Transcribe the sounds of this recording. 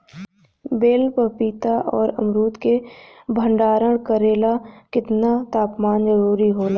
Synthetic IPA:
beːlpəpiːt̪aʔɔːɾɐ̰mɾuːt̪ke | bʱə̃ɳɖaːɾəɽ̃kəɾeːlakɪt̪nat̪aːpmaːnd͡ʒəɾuːɾiɦoːlaː

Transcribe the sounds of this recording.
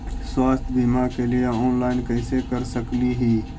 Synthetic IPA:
swaːst̪ʰbimakelieɔːnlaːɪnkɐɪsekɐɾsəkliɦiː

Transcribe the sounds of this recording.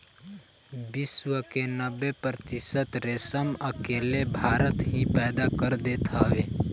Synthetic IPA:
bɪswəkenəbepɾət̪ɪsət̪ɾeːsəməkeːlebʱaːɾət̪ɦĩpɛːd̪akəɾd̪eːt̪ʰaːʋe

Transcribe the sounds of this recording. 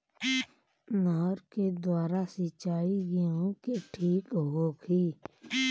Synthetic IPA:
nɔːɾked̪waːɾasɪt͡ʃaːiɡiõkeʈʰiːkɦoːkʰiː

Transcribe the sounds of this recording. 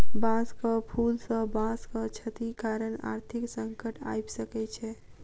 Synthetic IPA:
bãskəpʰulsəbãskət͡ʃʰət̪ikaɾəna̰ɾt̪ʰiksəŋkəʈa̰jbsəkɛt͡ʃʰɛ

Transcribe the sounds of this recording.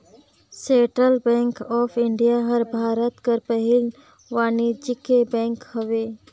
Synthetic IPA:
sẽːʈɾəlbɛ̃ːŋkɔːpʰɪɳɖijaɦəɾbʱaːɾət̪kəɾpəɦɪl | ʋaːnid͡ʒɪkebɛ̃ːŋkɦəʋeː

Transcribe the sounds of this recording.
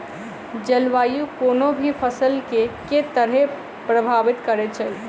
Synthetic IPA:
d͡ʒəlʋaːjukoːnobʱipʰəsəlkeket̪əɾɦe | pɾəbʱaʋɪt̪kəɾet͡ʃʰə

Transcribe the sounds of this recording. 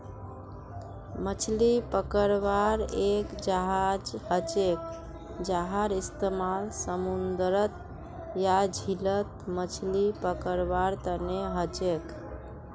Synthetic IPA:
mət͡ʃʰlipəkəɾβaɾekd͡ʒaɦad͡ʒhət͡ʃek | d͡ʒaɦaɾist̪emalsəmund̪ɾət̪̚ | jad͡ʒʱilət̪̚mət͡ʃʰlipəkəɾbaɾt̪əneɦət͡ʃek

